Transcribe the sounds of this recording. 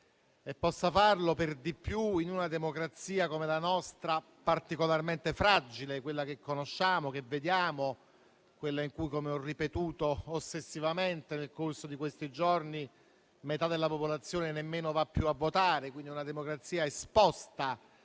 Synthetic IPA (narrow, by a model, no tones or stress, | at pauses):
epːɔsːafarloperd̪ipːjuinunad̪emokɾat̪siːakomelanɔst̪ɾa | part̪ikolarment̪efɾad͡ʒilekwelːak̟ekːonoʃːaːmok̟evːed̪jaːmo | kwelːaiŋkujkomeɔrːipet̪uːt̪oːsːesːivament̪enelkorsod̪ikwest̪id͡ʒorni | met̪ad̪elːapopolat̪sːjoːnenemːeːnovapːjuavːot̪aːɾekwind̪iunad̪emokɾat̪sːiːaespɔst̪a